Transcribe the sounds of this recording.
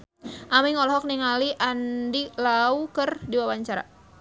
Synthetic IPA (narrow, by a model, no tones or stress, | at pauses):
ʔamiŋɔlɔɦɔk̚niŋaliʔandilaukərdiwawaɲt͡ʃaɾa̰